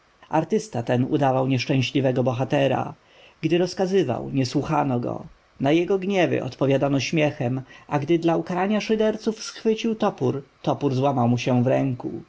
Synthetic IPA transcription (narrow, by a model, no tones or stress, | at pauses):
aɾt̪ɘst̪at̪ɛnṵd̪avawɲɛʂt͡ʂɛ̃ɕlʲivɛɡɔbɔxat̪ɛɾa̰ | ɡd̪ɘɾɔskazɘva̰wɲɛswuxanɔɡɔ̰ | najɛɡɔɡɲɛvɘ̰ʔɔ̰t̪pɔvʲjad̪anɔɕmʲjɛxɛmʔaɡd̪ɘd̪laukaɾaɲaʂɘd̪ɛɾt̪sufsxfɘt͡ɕiwt̪ɔpuɾt̪ɔpuɾzwamawmuɕɛvɾɛŋkṵ